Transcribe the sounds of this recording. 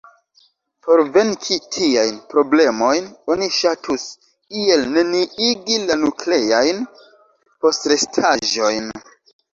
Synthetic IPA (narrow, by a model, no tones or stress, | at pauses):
po̞ɾve̞nkʰitʰiajnpɾo̞ble̞mo̞jno̞niʃatʰus | kie̞lneniiɡilanukle̞ajn | po̞stɾe̞stʰaʒo̞jn